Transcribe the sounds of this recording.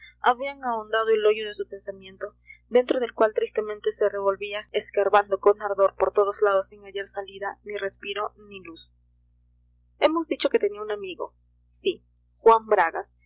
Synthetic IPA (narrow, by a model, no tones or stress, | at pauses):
aβiaŋaond̪að̞o̞e̞lo̞ʝoðe̞supe̞nsamjẽ̞nt̪o̞ | d̪e̞nt̪ɾo̞ð̞e̞lkwalt̪ɾist̪e̞mẽnt̪e̞se̞re̞βo̞lβiaeskaɾβand̪o̞ko̞naɾðo̞ɾpoɾt̪o̞ð̞ozlaðosːiŋaʝeɾsaliðanire̞spiɾo̞nilus | e̞mo̞zðit͡ʃo̞ke̞t̪e̞niaunamiɣo̞̰ | si | xwambɾaɣa̰s